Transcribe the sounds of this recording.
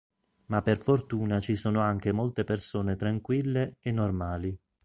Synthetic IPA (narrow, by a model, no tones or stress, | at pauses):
mapːerfort̪uːnat͡ʃisoːnoaŋk̟emolt̪epersoːnet̪ɾaŋkwilːeenːormaːli